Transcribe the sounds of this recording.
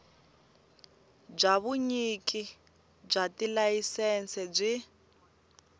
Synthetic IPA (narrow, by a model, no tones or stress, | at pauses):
b͡ʐaβuɲiki | b͡ʐatilajisɛnt͡sɛb͡ʐʷi